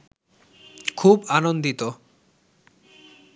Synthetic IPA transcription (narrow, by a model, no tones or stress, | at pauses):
kʰubanond̪it̪o